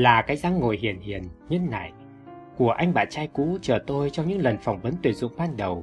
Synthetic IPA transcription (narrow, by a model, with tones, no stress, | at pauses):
laː˨˩kaː˨˦jza˧ŋːo˨˩jɦi˨˩ənhi˨˩ənɲə˧nːa̰ː˧˨j | ku˧˩əʔa˧jŋ̟ɓa̰ː˧˨nt͡ɕaː˧jkṵ˧˥t͡ɕəː˨˩t̪o˧jt͡ɕɔ˧wŋ͡mɲɨ̰˧˥ŋlə˨˩nfa˨˩wŋ͡mvə˨˦nt̪wi˨˩tzʊ̰˧˨ŋ͡mɓaː˧nɗə˨˩w